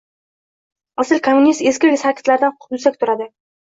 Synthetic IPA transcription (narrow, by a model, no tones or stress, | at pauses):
asɪlkʰomːʊnist̪eskʲɪlɡʲsaɾkʲʰɪ̥t̪laɾɪd̪anʰb̪ʊsakʲt̪ʰʊɾad̪ɪ